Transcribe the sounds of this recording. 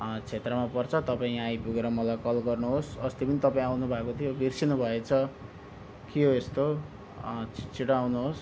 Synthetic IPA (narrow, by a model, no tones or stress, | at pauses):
t͡sʰet̪rʌmapʌrt͡sʰʌt̪ʌpaĩajpuɡeɾʌmʌlajkʌlɡʌrnuɦosʌst̪ipʌnit̪ʌpaĩawnubʱakot̪ʰijobʱirsinubʱʌet͡sʰʌ | kiɦoest̪o | t͡sʰiʈawnuɦos